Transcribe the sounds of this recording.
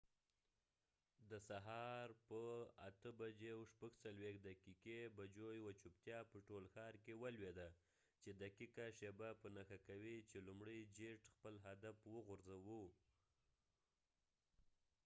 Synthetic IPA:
d̪əsaɦɑɾpəat̪əbad͡ʒewʃpaɡt͡salwexd̪akikebad͡ʒojwat͡ʃupt̪jɑpəʈolxɑɾkewalwed̪a | t͡ʃed̪akikaʃebapənaxakawit͡ʃelumɽəjd͡ʒeʈxpəlɦad̪afwəɣʊɾzawu

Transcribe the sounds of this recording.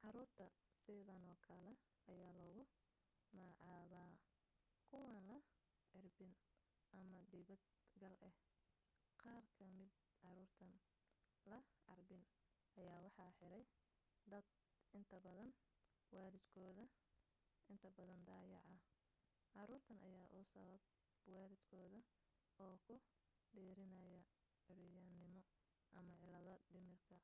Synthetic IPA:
ʕɑɾuːrt̪ʰɐsɪðɐnɔːkʰɐlɛ | ɐjaːlɔːɣʊ | mɐːʕɑːβaː | kʰʊwɑːnlɐ | ʕɪrbɪn | ʔɐmɐd̪ɪβɐd̪ | ɡɐlʔɛh | qɑːrkʰɐmɪd̪ | ʕɑɾuːrt̪ʰɐn | lɐʕɑ̰rbɪn | ɐjaːwɑħɑħɪɾɛj | d̪ɐd̪ | ɪnt̪ʰɐbɐðɐn | wɑːlɪd̪kʰɔːðɐ | ɪnt̪ʰɐbɐðɐnd̪aːjɑ̰ʕɐ | ʕɑɾuːrt̪ʰɐnʔɐ̰jaːʔʊsɐβɐb | wɑːlɪd̪̥kʰɔːðɐ | ɔːkʰʊ | ɖɛːɾɪnɐjɐ | ʕɪlɪjɐnɪmɔ | ʔɐmɐʕɪlɐðɔɖɪmɪrkʰɐ

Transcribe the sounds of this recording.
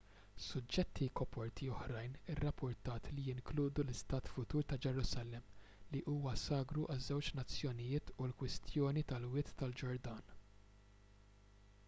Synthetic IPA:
sʊd͡ʒːɛt̪ʰːikɔpɔɾt̪iɔħɾɐjnɪrːɐpʰːʊɾt̪ɐːt̪lijɪŋkluːd̪ulɪst̪ɐːt̪fʊt̪uːɾt̪ɐd͡ʒɛɾʊsɐlɛm | liʔuːwɐsɐːɡɾuʔɐzːɛwt͡ʃnɐt͡sːjɔnɪjɪːt̪ʰulkwɪst̪jɔːnit̪ɐlwɪːt̪ːɐld͡ʒɔɾd̪ɐːn

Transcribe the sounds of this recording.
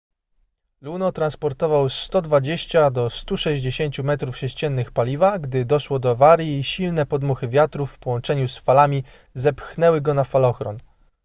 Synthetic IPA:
lunɔt̪ɾanspɔɾt̪ɔvawst̪ɔd̪vad͡ʑeɕt͡ɕad̪ɔst̪uʂɛʑd͡ʑeɕeɲt͡ɕumɛt̪ɾufʂɛɕt͡ɕɛnːɘxpalʲivaɡd̪ɘd̪ɔʂwɔd̪ɔvaɾjiːɕilnɛpɔd̪muxɘvʲjat̪ɾufːpɔwɔnt͡ʂɛɲusfalamʲi | zɛpxnɛwɘɡɔnafalɔxɾɔ̰n

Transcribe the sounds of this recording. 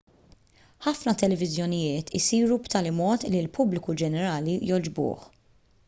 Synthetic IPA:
ħɐfnɐt̪ɛlɛvɪzjɔnɪjɪːt̪ʰɪsiːɾupt̪ɐːlimɔːt̪lilpʊblɪkud͡ʒɛnɛɾɐːlijɔd͡ʒbʊ̰ːħ

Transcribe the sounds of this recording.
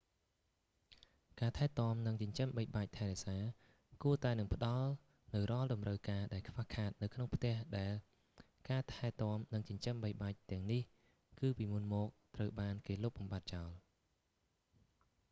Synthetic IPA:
kaːt̪ʰaɛt̪ŏəmnɨŋt͡ɕʊ̆ɲt͡ɕəmɓəj̚ɓaːc̚t̪ʰaɛɾɛsaː | kuət̪aɛnɨŋpə̆ɗɑl | nɨwrŏəlɗɑmrəwkaːɗaɛlkʰʋahkʰaːt̪̚nɨwkʰnoŋpʰt̪ɛ̆əhɗaɛl | kaːt̪ʰaɛt̪ŏəmnɨŋt͡ɕʊɲt͡ɕəmɓəjɓaːc̚t̪ɛ̆əŋnih | kɨːpiːmunmɔːk̚t̪rəwɓaːnkeːlop̚ɓɑmɓat̪̚t͡ɕaɔl

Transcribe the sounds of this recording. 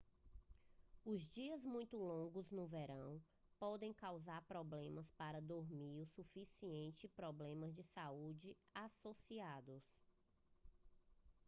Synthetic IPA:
ʊzd͡ʒiɐzmũj̃t̪ʊlõɡʊznʊvɛɾɐ̃w̃ | pɔd̪ẽj̃kawzaɾpɾɔblẽmɐspaɾɐd̪oɾmiɾʊsufisiẽnt͡ʃɪpɾɔblẽmɐzd͡ʒɪsaud͡ʒɪ | asosiad̪ʊs

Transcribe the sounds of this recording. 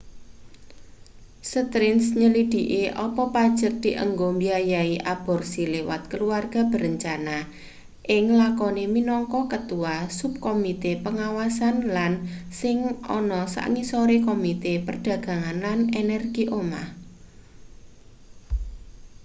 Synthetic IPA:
sət̪ɾɪnsɲəlid̪̥iʔeʔɔpɔpad̥ʒ̥ək̚d̪̥iʔə̰ŋɡombiajaiʔab̥ɔ̤rsilewat̪̚kəluarɡ̥a̤b̥ə̤ɾəɲt͡ʃana | ʔɪŋlakɔneminɔŋkɔkət̪uasup̚komit̪epəŋawasanlansɪŋɔ̰nɔsa̰ʔŋisɔɾekomit̪epərd̥ä̤ɡ̥a̤ŋanlanenɛrɡ̥iʔoma̰h

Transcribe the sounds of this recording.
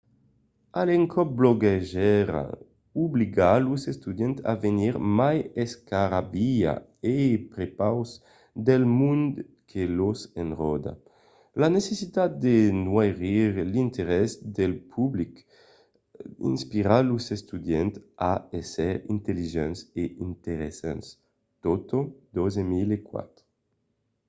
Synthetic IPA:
aleŋkʰɔp̚bloɡeʒɛɾa̰ | ubliɡaluzest̪ud̪jɛnt̪a̰veniɾmajeskaɾabia̰ | epɾepaws | d̪elmund̪ | kʰelozenrɔd̪a̰ | lanesesit̪at̪̚d̪enwajʁiɾlint̪eɾɛsd̪elpʰublik | ḭnspiɾalusest̪ud̪jɛnt̪aesɛɾḭnt̪eliʒɛnseint̪eɾesa̰ns | t̪ot̪od̪ozemilekwa̰t̪ɾo

